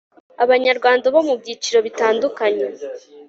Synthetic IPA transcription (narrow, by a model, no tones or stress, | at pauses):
aβaɲaɾɡwaːndaβomubɟiːt͡ʃiɾo̞βitaːndukaɲe